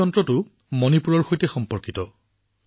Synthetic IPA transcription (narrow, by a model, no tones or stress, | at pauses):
ɔntɹɔtʊ | mɔnipuɹɔɹxojtɛxɔmpɔɹkitɔ